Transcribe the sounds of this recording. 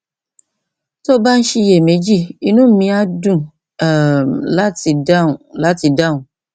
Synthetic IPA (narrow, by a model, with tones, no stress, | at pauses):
to˦ba˦n̩˦ʃi˧je˨me˨˦d͡ʒi˦˨i˧nũ˦mĩ˧˦a˦dũ˦˨ | la˦ti˧dã˦˨la˨˦ti˧da˦˨ũ˨